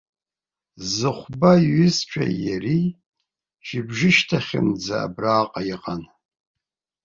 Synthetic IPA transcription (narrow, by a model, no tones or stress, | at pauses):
zɨχʷbaɥɪst͡ʃʷʰa̰jari | ʃɪbʒɨʃtʰaχʲɪmd͡za̰ːbraːqʼaiqʼan